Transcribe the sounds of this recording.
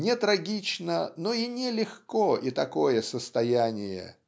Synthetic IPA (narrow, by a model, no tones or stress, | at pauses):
nʲɪt̪ɾɐɡʲit͡ɕnənoinʲɪlʲɪxkoʔit̪ɐko̞jəsəst̪ɐjænʲɪjə̰